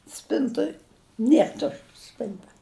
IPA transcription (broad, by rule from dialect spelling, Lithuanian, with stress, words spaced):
ˈsʲpʲɪntoːj ˈnʲiɛr ˈtʊʃt͡ʃ ˈsʲpʲɪntɐ